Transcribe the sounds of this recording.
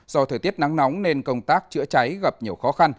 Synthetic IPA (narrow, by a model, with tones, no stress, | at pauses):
zɔ˧t̪ʰəː˧˩t̪i˦˥ət̚na˨˦ŋna˨˦wŋ͡mne˧nkə˧wŋ͡mt̪aː˦˥k̚t͡ɕɨ̰˧˥ət͡ɕa˨˦jɣa˨˩p̚ɲi˨˩əwxɔ˨˦xa˧n